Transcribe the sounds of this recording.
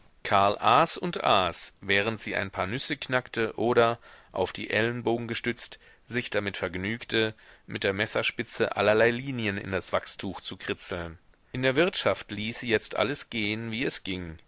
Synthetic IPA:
kʰaɐlʔaːsʊntʔaːsvɛːʁ̞əntz̥iːʔa̰ɪnpʰaːɐnʏsəkʰnaktəʔoːɾɐʔa̰ʊfd̥ḭːʔɛlənboːɡŋ̩ɡəʃtʏt͡st | z̥ɪçd̥amɪtfɛɐɡnyːktʰəmʔɪt̚d̥eːɐmɛsɐʃpɪt͡səʔa̰lɐlaɪliːnjənɪ̰ndasv̥akstʰuːxt͡sukʁ̥ɪt͡sl̩n | ʔɪndeːɐvɪɐtʃaftliːsijɛt͡stʔa̰ləsɡ̥eːənviːɛsɡ̥ɪŋ

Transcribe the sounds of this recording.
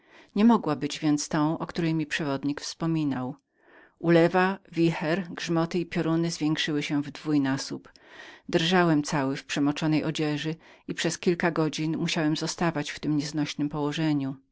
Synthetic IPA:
ɲɛmɔɡwabɘd͡ʑvʲjɛnt̪st̪ɔ̃w̃ʔɔkt̪uɾɛjmʲipʂɛvɔd̪ɲikfspɔmʲinaw | ʔulɛvavʲixɛɾɡʐmɔt̪ɘipʲjɔɾunɘzvʲjɛŋkʂɘwɘɕɛ̃vd̪vujnasup | d̪ɾʐawɛmt̪sawɘfpʂɛmɔt͡ʂɔnɛjʔɔd͡ʑɛʐɘipʂɛskʲilkaɡɔd͡ʑinmuɕawɛmzɔst̪avat͡ɕft̪ɘmɲɛznɔɕnɘmpɔwɔʐɛɲu

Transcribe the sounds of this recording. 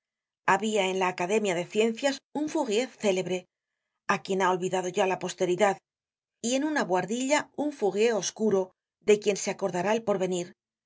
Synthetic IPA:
aβiae̞nlaːkaðe̞mjaðe̞θje̞n̟θjasuɱfuɣje̞θːe̞le̞βɾe̞ | akje̞nao̞lβiðað̞o̞ʝalapo̞st̪e̞ɾiðað | ie̞nunaβwaɾðiʎauɱfuɣje̞o̞skuɾo̞ | ðe̞kje̞nseako̞ɾðaɾaelpo̞ɾβe̞niɾ

